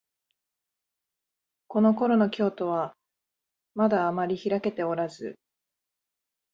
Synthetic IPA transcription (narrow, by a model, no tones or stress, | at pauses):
ko̞no̞ko̞ɾo̞no̞kʲo̞ːt̪o̞β̞a | mad̪aːmaɾʲiçiɾake̞t̪e̞o̞ɾazɨ̰